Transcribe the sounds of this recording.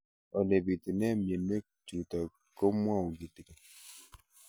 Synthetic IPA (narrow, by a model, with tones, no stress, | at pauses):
ɔ˨ne˨bi˨ti˨nɛ˦˨m˨e˨nme˦ | tu˨tɔ˨ | ko˦m˦a˦˨u˨ɡi˨ti˨ke˨